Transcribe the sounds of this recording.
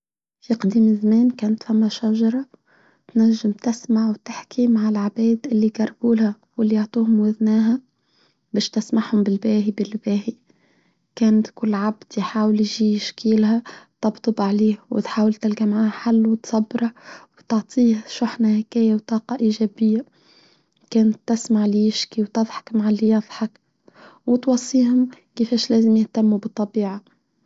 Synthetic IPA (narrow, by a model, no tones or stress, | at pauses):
fiqd̪iːmɪzamæːnkæːnt̪fæmːæʃæʒɑɾˤɑ | t̪næʒːɪmt̪ɪsmaʕwt̪ɪħkʰimaʕɪlʕabæːd̪ʔɪlːiɡɑɾˤbuːlhæ | wɪlːioʕt̪ˤuːhʊmwæðnæːɦæ | bæːʃt̪ɪsmaʕhʊmbɪlbæːɦibɪlbæːhi | kæːnt̪kʊlːʕabd̪̥jħaːwɪljʒiːjɪʃkiːlhæt̪ˤɑbt̪ˤɨbʕaliːhwɪ̰t̪ħaːwalt̪ɪlɡamʕaːhħalːwt̪sˤɑbːɾɑwt̪ɑʕt̪ˤʰiːhʃʊħnahɪkæːjawt̪ˤɑːqɑʔiʒæːbɪjːa | kæːnt̪ːɪsmaʕljɪʃkiwt̪ɨðˤħɑ̥kmaʕalːijɑðˤħɑk | wɪt̪wɑsˤːiːɦʊm | kɪfæːʃlæːzɪmjɪht̪amːubɨt̪ˤːɑbiːʕa